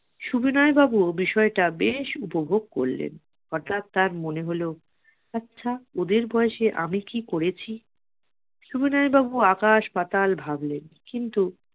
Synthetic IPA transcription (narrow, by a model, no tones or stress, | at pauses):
ʃubinaebabuobiʃɔeʈabeʃupobʱoɡ̚ko̰ɾlḛn | ɔɾʈ̪at̪ːaɾmoneɦolo | atːɕʰaod̪eɾbʱɔeʃeʔa̰mikikoɾet͡ɕʰi | ʃubinaebabuakaʃpat̪albʱablenkint̪u